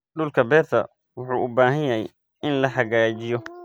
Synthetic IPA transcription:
ɖʊlkʰɐbɛːt̪ʰɐ̰ | wʊħuːʔʊbaːɦɐjɐɦj̰ | ɪnlɐħɐɣaːt͡ʃɪjɔ

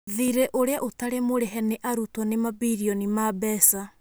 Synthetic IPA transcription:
ðiɾɛʔoɾeaʔotaɾemoɾɛɦɛneʔaɾutɔnemabiɾiɔnimabɛsa

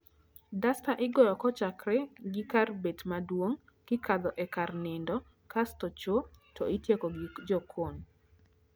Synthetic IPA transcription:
dastaʔɪɡɔjɔkɔt͡ʃakɾɛɡɪkarbetmadwoŋ | kɪkad̪ɔʔɛkarnɪndɔ | kastɔt͡ʃotɔɪtjekoɡid͡ʒɔkʰon

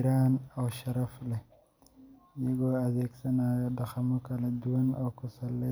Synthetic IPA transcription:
ɾaːnɔːʃɐɾɐflɛ | jɐɣɔːɐðɛːɡsɐnaːjɔdɑxɐmɔkʰɐlɐd̪ʊwɐnɔːkʰʊsɐlɛ

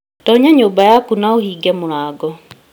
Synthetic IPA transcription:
tɔːɲaɲoːmbajakunaohiːɡɛmuɾaːɡɔ

